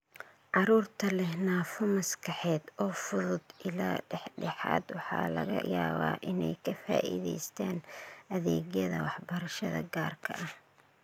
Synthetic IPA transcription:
ʕɑɾuːrt̪ʰɐlɛhnaːfɔmɐskʰɑħɛːd̪ɔːfʊðʊd̪ɪlaːɖɛħɖɛħɑ̰ːd̪wɑħɑ̰ːlɐ̰ɣɐ̰jaːβa̰ːʔɪnɛjkʰɐfa̰ːʔḭðɛjst̪ʰaːnɐðɛːɣjɐðɐ̰wɑħbɐɾɐʃɐðɐ̰ɡaːrkʰɐʔɐh

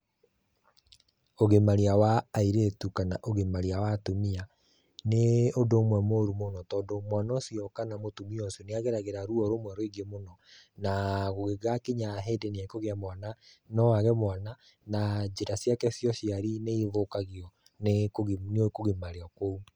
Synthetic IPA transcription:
oɣemaɾeawaːiɾetukanaʔoɣemaɾiawatomia | neodoːmwɛmoɾumonɔtɔːdomwanɔsjɔkanamotumiɔsjoneaɣeɾaɣeɾaɾuɔɾomwɛɾoiɡemonɔ | naɣoɣeɣakeɲaɦeːdenekoɣeamwana | nɔaɣɛmwana | nad͡ʒeɾasjakɛsjɔsjaɾineivokaɣiɔ | nekoɣnokoɣemaɾeɔkwou

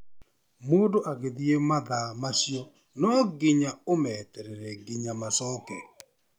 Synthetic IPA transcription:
modoʔaɡeðiemaðamasjɔ | nɔɡɪɲaomɛtɛɾeɾeɡɪɲamasɔkɛ

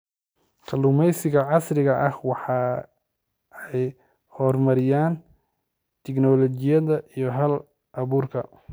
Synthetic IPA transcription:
kʰɐlʊmɛjsɪɣɐʕɑsrɪɣɐʔɐhwɑħɑ | ɛj | hɔrmɐɾɪjaːn | t̪ʰɪɡnɔlɔt͡ʃɪjɐðɐʔijɞɦɐl | ʔɐβuːrkʰɐ

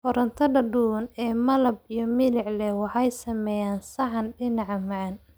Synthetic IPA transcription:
fɔɾɐnt̪ʰɐɖɐɖuːnɛːmɐlɐb̚ijɞmɪlɪʕlɛwɑħɑjsɐmɛːjaːnsɐʕɑnɖɪnɑʕmɑʕɐn

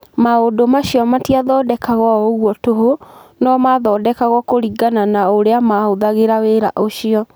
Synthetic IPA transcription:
maodomaɕiɔmatiaðɔdɛkaɣɔoɣwɔtoɦonɔmaðɔdɛkaɣɔkoɾiɡananaoɾeamaoðaɣeɾaweɾaʔoɕiɔ

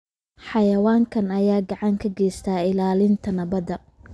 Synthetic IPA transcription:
ħɑjɐwaːŋkʰɐnɐjaːɡɑʕɑŋkʰɐɡɛːjst̪ʰaːɪlaːlɪnt̪ʰɐnɐβɐðɐ

